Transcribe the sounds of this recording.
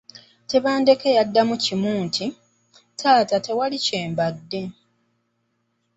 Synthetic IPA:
te̞βaːnde̞ke̞jadːamucimuːntʰi | tʰaːtate̞waliceːmbadːe̞

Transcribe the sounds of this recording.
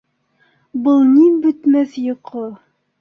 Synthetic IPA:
bɤlˠnibɵ̆t̪mæθjŏqʰɤ

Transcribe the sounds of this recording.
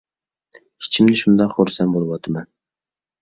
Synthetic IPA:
ɪ̥t͡ʃʰɪmnɪʃʊnd̪ɑqχoɾsambolˠwɑt̪ʰɪman

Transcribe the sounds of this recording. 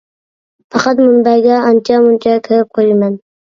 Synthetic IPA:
pɑqʰɑt̪mʊnbɑjɡʲɛɑnt͡ʃʰamʊnt͡ʃʰakʲʰɪɾɪp̚qʰojɪmɛn

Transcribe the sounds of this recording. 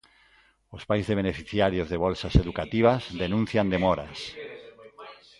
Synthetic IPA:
ospajzðeβenefiθjaɾjozðeβ̞ɔlsaseðukat̪iβ̞azðenũn̟θjand̪emɔɾa̰s

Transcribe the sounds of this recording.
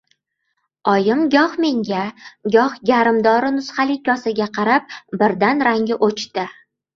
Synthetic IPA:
ɒjɪmɡʲɒhme̞ŋɡʲaɡʲɒhɡʲaɾɪmd̪ɒɾɪnʊsχalɪkʲʰːɒsaɡʲaqʰɑɾap̚bɪɾd̪anɾaŋʲɪʔot͡ʃt̪ɪ

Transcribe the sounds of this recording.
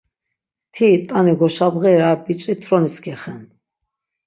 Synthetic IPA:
t̪ʰit̪ʼaniɡɔʃabʁɛɾabit͡ʃʼit̪ʰɾɔnisɡʰɛχɛn

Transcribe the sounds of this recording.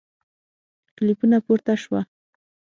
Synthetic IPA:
klɪpʊnapʊɾt̪aʃwa

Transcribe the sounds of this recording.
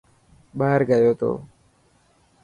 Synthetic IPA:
ɓaːəɾɡəjoːt̪o̰ː

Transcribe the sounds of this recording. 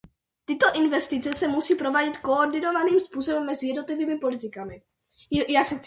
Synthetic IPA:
t̪ɪt̪o̞ʔɪnvɛst̪ɪt͡sɛsɛmusiːpɾo̞vaːɟɪt̪koordɪno̞vaniːmspuːsobɛmːɛzɪjɛdnot̪lɪviːmɪpo̞lɪt̪ɪkamɪ | jaːsɛxt͡s

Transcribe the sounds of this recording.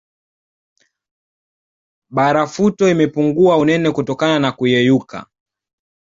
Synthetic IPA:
ɓaɾafutɔimɛpuŋɡuaunɛnɛkutɔkananakujɛjuka̰

